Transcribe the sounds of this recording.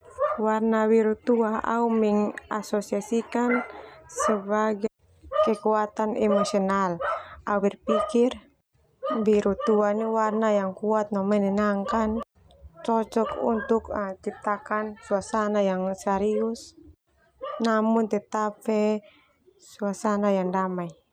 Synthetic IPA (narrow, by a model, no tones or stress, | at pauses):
warnawiɾut̪uaa̰umiŋa̰sɔsiasikansəbaɡa | kɛkuat̪anɛmɔsiɔnalawirpikir | wiɾut̪uaniwarnajaŋkuat̪̚namɛnɛnaŋkan | t͡ʃɔt͡ʃɔkṵnt̪ukt͡ʃip̚t̪akansuasanajaŋsaɾius | namunt̪ɛt̪apɛ | suasanajaŋdamai